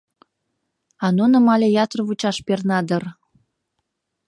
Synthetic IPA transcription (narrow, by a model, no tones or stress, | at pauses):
ɑnonəmɑlʲejɑt̪rβut͡ɕɑʃpernɑd̪ər